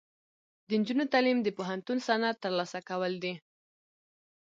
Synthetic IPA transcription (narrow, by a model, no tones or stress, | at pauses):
d̪ənd͡ʒunot̪alimd̪əpoɦant̪unsanat̪əɾlɑsakawəld̪i